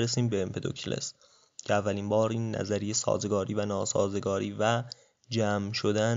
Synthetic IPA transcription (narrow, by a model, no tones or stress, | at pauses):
ɾesiːmbeempʰe̞d̪o̰cʰlʔḛs | cʰeævːæliːmbɒːɾiːnːæ̰zæɾijesɒ̰ːze̞ɡɒːɾiːvænɒːsɒ̰ːze̞ɡɒːɾiːvæ | d͡ʒæːmʃo̞d̪æ